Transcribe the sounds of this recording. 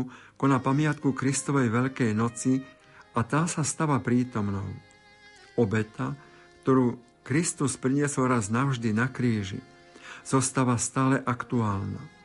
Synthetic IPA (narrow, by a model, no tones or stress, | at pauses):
kɔnapamɪat̪kukɾist̪ɔʋɛjʋɛʎkɛjnɔt͡si | at̪aːsast̪aʋapɾiːt̪ɔmnɔ̰ʊ | ɔbɛt̪a | kt̪ɔɾuː | kɾist̪uspɾiɲɪɛsɔlɾaznaʊʒd̪inakɾiːʒḭ | z̥ɔst̪aʋast̪aːlɛʔakt̪uaːlna̰